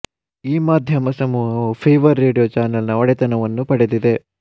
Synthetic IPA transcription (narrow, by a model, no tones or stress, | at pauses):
iːmaːd̪ʱjɐmɐsɐmuɦɐpʰeːʋɐɾːeːɖijoːt͡ʃaːnɐlnɐɔɽɛt̪ɐnɐʋɐnːupɐɽed̪id̪e̞